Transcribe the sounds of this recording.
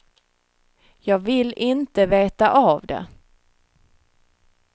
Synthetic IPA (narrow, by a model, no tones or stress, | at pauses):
jɑːɡvɪlʔɪnt̪əveːt̪aʔaavd̪ɛ̰